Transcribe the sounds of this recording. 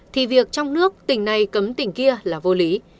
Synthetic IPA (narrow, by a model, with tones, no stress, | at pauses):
t̪ʰi˨˩vi˨˩ək̚t͡ɕɔ˧wŋ͡mnɨ˦˥ək̚t̪ï˨˩ŋ̟na˨˩jkə˨˦mt̪ï˨˩ŋ̟ki˧əlaː˨˩vo˧li˨˦